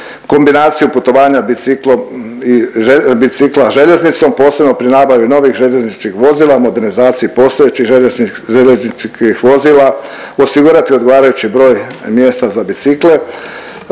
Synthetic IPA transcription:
ko̞mbinaːt̪sijuput̪o̞ʋaːɲabiiklom | iebit̪siklaʒe̞ʎe̞znit̪so̞mpo̞ːse̞bno̞pɾinabaʋino̞ʋixʒe̞ʎe̞znit͡ʃkixʋo̞ziːlamo̞d̪e̞ɾnizaːt̪sijipo̞ːst̪ojet͡ɕixeʒeʎeznit͡ʃkixʋo̞ziːlˠa | osiɡuɾat̪io̞d̪ɡo̞ʋaːɾajut͡ɕibɾo̞ːjmje̞ːst̪azabit̪sikle̞

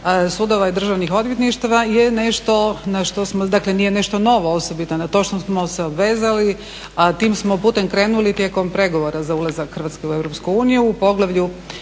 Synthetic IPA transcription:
suːd̪oʋaid̪ɾr̩ʒaʋnixo̞d̪ʋjet̪niʃt̪aʋajene̞ʃt̪o̞naʃt̪osmod̪akleniːjene̞ʃt̪o̞no̞ʋooso̞bit̪onat̪o̞ʃt̪osmoseobʋeːzali | at̪iːmsmopuːt̪e̞mkɾe̞ːnulit̪je̞ko̞mpɾe̞ɡoʋo̞ɾazaulˠazakxər̩ʋat̪skeue̞vɾo̞pskuuːnijuːpo̞ɡlaʋʎu

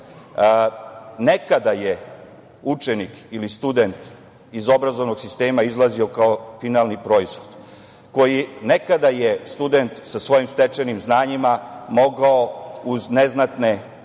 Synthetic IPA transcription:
ne̞kad̪aje | ut͡ʃenikilist̪ud̪e̞nt̪ | izo̞bɾazo̞ʋno̞ɡsist̪e̞ːmaizlˠazio̞kaofinaːlˠnipɾo̞izxod̪ | ko̞jine̞kad̪ajest̪ud̪e̞nt̪sasʋo̞jimst̪et͡ʃenimznaːɲimamo̞ɡao̞uzneznat̪ne̞

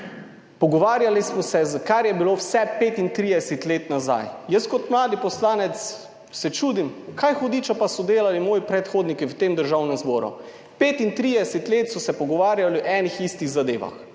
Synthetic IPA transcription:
pɔɡɔʋaːɾjalismɔsɛzkaɾjɛbilowsɛpeːt̪int̪ɾid̪ɛsɛt̪leːt̪naza̰jjəskɔt̪mlaːd̪ipɔslaːnɛt̪s | sɛt͡ʃuːd̪imkʰajxɔd̪iːt͡ʃɔpasɔd̪eːlalimoːjipɾɛt̪xoːd̪nikiwt̪eːmd̪əɾʒawnɛmzbɔːɾṵ | peːt̪int̪ɾid̪ɛsɛt̪leːt̪sɔsɛpɔɡɔʋaːɾjaliʔɛːnixist̪iɣzad̪ḛːʋa̰x

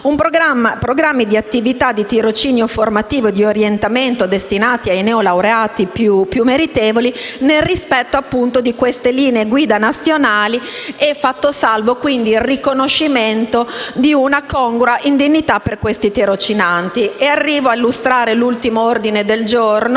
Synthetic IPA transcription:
umpɾoɡɾamːapɾoɡɾamːid̪iat̪ːivit̪ad̪ːit̪iɾot͡ʃiːnjoformat̪iːvod̪ioɾjent̪ament̪od̪est̪inaːt̪iajneolawɾeaːt̪ipjupːjumːeɾit̪eːvolinelrispɛt̪ːoapːunt̪od̪ikwest̪eliːneːɡwiːd̪anat̪sːjonaːliɛfːat̪ːosalvokwind̪iːlrikonoʃːiment̪od̪iunakɔŋɡoɾaʔind̪iɲːit̪apːerkwest̪it̪iɾot͡ʃinant̪iearːiːvoailːust̪ɾaːɾelult̪imoord̪ined̪eld͡ʒorn

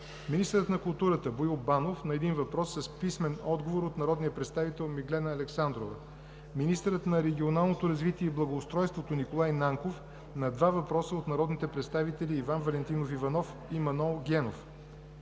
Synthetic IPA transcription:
minist̪əɾət̪nɐkʊlˠt̪uɾət̪əboilˠbanofnɐɛd̪invɐpɾɔsːɐspismɛnɔd̪ɡovoɾot̪nɐɾɔd̪nijəpɾɛt̪st̪avit̪ɛlˠmiɡlɛnəːlɛksand̪ɾovə | minist̪əɾət̪nɐɾɛɡʲionalˠnot̪oɾɐzvit̪iɛiblˠɐɡoːst̪ɾɔjst̪vot̪onikolˠajnaŋkof | nɐd̪vavɐpɾɔsəot̪nɐɾɔd̪nit̪ɛpɾɛt̪st̪avit̪ɛliːvanvɐlɛnt̪inofivɐnɔf | imɐnɔlˠɡʲɛnof

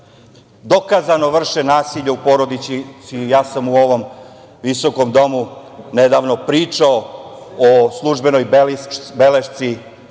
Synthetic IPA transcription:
d̪o̞kazano̞ʋr̩ʃenaːsiʎaupo̞ɾod̪it͡ʃ̪isijaːsamuo̞ʋo̞m | ʋiso̞ko̞md̪o̞muned̪aːʋno̞pɾiːt͡ʂaooslˠuʒbe̞nojbbeleʃt̪si

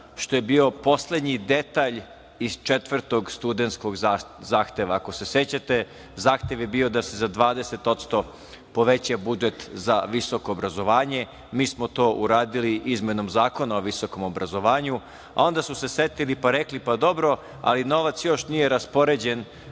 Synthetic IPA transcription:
ʃt̪oje̞bio̞po̞sle̞d̪ɲid̪et̪aʎ | iz̥t͡ʃet̪ʋr̩t̪o̞ɡst̪ud̪ent̪ko̞ɡzaːxt̪e̞ʋaːko̞se̞set͡ɕat̪e | zaːxt̪e̞ʋjebio̞d̪ase̞zad̪ʋaːd̪ese̞t̪o̞t̪st̪o̞ | po̞ʋet͡ɕabud͡ʒet̪zaʋiso̞koːbɾazo̞ʋaːɲe̞ | miːsmot̪o̞ːʔuɾaːd̪iliʔizmeno̞mzaːko̞naoʋiso̞ko̞mobɾazo̞ʋaːɲu | a̰o̞nd̪asuse̞set̪ilipaɾeklipad̪o̞bɾo̞ | a̰lino̞ʋat̪sjo̞ʃnijeɾaspo̞ɾed͡ʑen

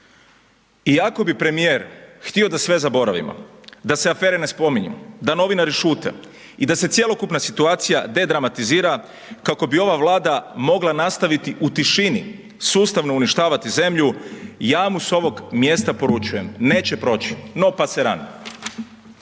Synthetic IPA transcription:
iako̞bipɾe̞mijeːɾxt̪io̞d̪asʋe̞zabo̞ɾaʋḭmo̰d̪aseafe̞ːɾene̞spo̞miɲṵd̪ano̞ʋinaɾiʃuːt̪ḛ | id̪ase̞t̪sje̞lˠo̞kupnasit̪uaːt̪sijad̪e̞d̪ɾamat̪iziːɾa | kako̞bio̞ʋaʋlaːd̪amo̞ɡlanast̪aʋit̪iʔut̪iʃinḭ | suːst̪aʋno̞uniʃt̪aːʋat̪ize̞mʎujaːmuso̞ʋo̞ɡmje̞st̪apo̞ɾut͡ʃuje̞mne̞ːt͡ɕe̞pɾo̞ːt͡ɕi̥no̞paseɾano

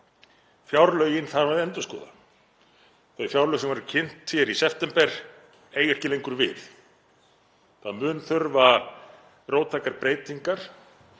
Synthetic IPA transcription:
fjawɾlœɥjɪnθaðvaðɛnt̪ʏ̥skɔ̰ːða̰ | θœɥjfjawɾlœɣsɛmvɛɾʏcʰɪn̥t̪fjɛɾisɛft̪ɛmpɛɾ̥ | eːjɛ̥cɪlejŋkʏɾvɪθ | θaðmʏːnθʏɾva | roːwt̪ʰːajkaɾpɾeːjt̪iŋkaɾ̥

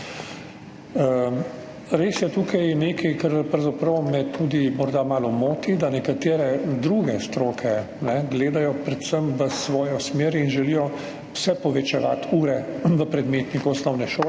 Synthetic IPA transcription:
ə | ɾeːsjɛt̪uːkʰajneːkʰɛjkaɾpawzapɾɐwmɛt̪ʰuːd̪imɔɾd̪amaːlɔmoːt̪id̪anɛkat̪eːɾɛd̪ɾuːɡɛst̪ɾoːkʰɛ | nɛɡleːd̪ajɔpɾɛt̪səmʋəsʋɔːjɔsmeːɾinʒɛlijɔ | wsɛpɔʋɛt͡ʃɛʋa̰ːt̪ʰuːɾɛʋəpɾɛd̪meːt̪nikuɔsnɔwnɛʃoː

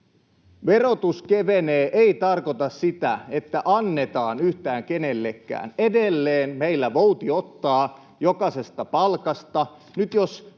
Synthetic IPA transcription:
ʋerot̪uskeʋeneːʔeit̪ɑrkot̪ɑssit̪æet̪ːæʔɑnːe̞t̪ɑːnyht̪æːŋkenelːekːæ̰ːnedelːeːnmeilːæʋo̞ut̪iot̪ːɑː | jokɑse̞st̪ɑpɑlkɑst̪ɑ | nyt̪jos

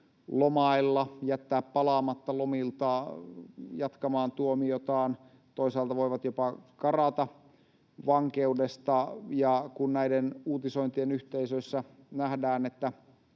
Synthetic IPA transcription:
lomɑilːɑjæt̪ːæːppɑlɑːmɑt̪ːɑlomilt̪ɑ | jɑt̪kɑmɑːnt̪uomiot̪ɑːn | t̪oisɑːlt̪ɑʋoiʋɑt̪jopɑkɑrɑt̪ɑ | ʋɑŋkeudest̪ɑjɑkunnæidenuːt̪isoint̪ienyht̪eisøisːæ | næhdæːnet̪ːæ

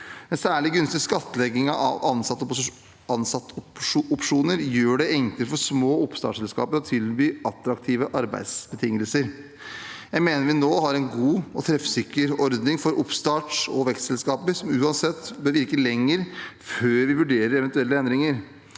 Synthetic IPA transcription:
ɛnsæːɭɪɡʉnst̪ɪskɑt̪ːəlɛɡːɪŋɑʔɑ̰ʋɑnsɑt̪ːp | ɑnsɑt̪ːʊpʂuːnəɾjøːɖɛɛŋkləfɔʂmoːʊpst̪ɑ̰ːʂsɛlskɑ̰ːpəɾɔt̪ʰɪlbyːʔɑt̪ɾɑkt̪ʰiːʋəʔɑɾbæ̰ɪd̪sbət̪ʰɪŋːəlsəɾ | jæɪmeːnəɾʋɪnoːɦɑɾɛnɡuːɔt̪ʰɾɛfsɪkːəɾɔɾd̪nɪŋfɔɾʊpst̪ɑːʈʂɔʋɛkst̪sɛlskɑːpəɾsɔmʉːɑnsɛt̪ːbøːɾʋɪɾkəlɛŋːəɾføːɾʋɪʋʉɖeːɾəɾɛʋɛnt̪ʉɛlːəɛnd̪ɾɪŋəɾ

